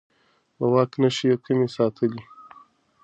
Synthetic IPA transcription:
wawɑːknaʃijakʰimesɑːt̪ʰəli

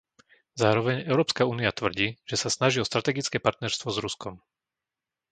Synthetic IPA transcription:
zaːɾɔʋɛɲɛʊɾɔːpskauːniat̪ʋr̩ɟiːʒ̥ɛsasnaʒiɔst̪ɾat̪ɛɡit͡skɛːpaɾt̪nɛɾst̪ʋɔzɾuskɔm

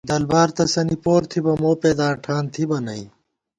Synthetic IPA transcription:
d̪ɐlbaːɾt̪ɐsɐnipoːɾt̪ʰibɐmoːpeːd̪aːʈʰaːnt̪ʰibɐnɐi

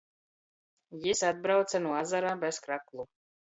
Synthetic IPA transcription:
jisad̪̚bɾawt̪sanuɔazaɾaːbɛskɾaklˠu

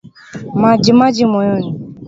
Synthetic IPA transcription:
mãd͡ʒimãd͡ʒimɔ̃jɔnĩ

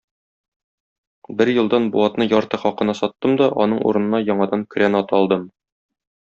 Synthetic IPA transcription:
bɘɾjɤ̆lˠd̪ɑnbuɑt̪nɤjɒɾt̪ɤχɒqɤ̆nɑsɒt̪ːɤmd̪ɒʔɒ̰nɤɴṵɾɤ̆nɤ̆nɑjɒɴɑd̪ɑŋkɵ̆ɾænɒt̪ɒlˠd̪ɤm

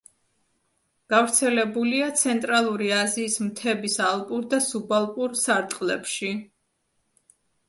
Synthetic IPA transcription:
ɡ̥avɾt̪sʰɛlɛbuliat̪sʰɛnt̪ʼɾalˠuɾiaziːsmt̪ʰɛbisalˠpʼuɾd̪asubalˠpʼuɾsaɾt̪ʼqʼlɛpʃi

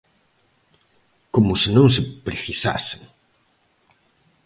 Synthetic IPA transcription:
komʊsɪnõŋs̬ɪpɾeθisa̰seŋ

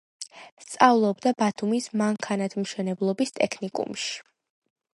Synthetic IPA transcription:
st̪sʼavlˠɔbd̪abat̪ʰumismaŋkʰanat̪ʰmʃɛnɛblˠɔbist̪ʼɛkʰnikʼṵmʃi̥

